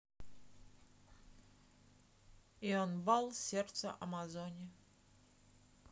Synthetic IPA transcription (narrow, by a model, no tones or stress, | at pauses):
ionvalˠsʲert̪sə̰ʔɐ̰mazonʲɪ